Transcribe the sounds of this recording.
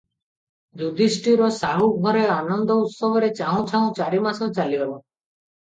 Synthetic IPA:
d͡ʒud̪isʈiɾɔsaɦuɡʱɔɾeanɔnd̪ɔut̪sɔbɔɾet͡ʃaɦɔ̃t͡ʃʰaɔ̃t͡ʃaɾimasɔt͡ʃaliɔbɔ

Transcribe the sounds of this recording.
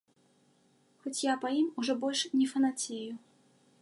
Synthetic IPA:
xɔt͡sʲjapɐjimuʐɔbɔlʲʂnʲɛfɐnat͡sʲeju

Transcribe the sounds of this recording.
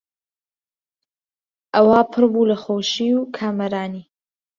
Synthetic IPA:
ʔɐwaːpʰɨɾbulɐχoːʃiːwkʰaːmɐɾaːniː

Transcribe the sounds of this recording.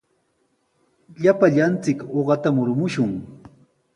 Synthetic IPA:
ʎapaʎant͡sɪkoɢɑt̪amʊɾmʊʃʊŋ

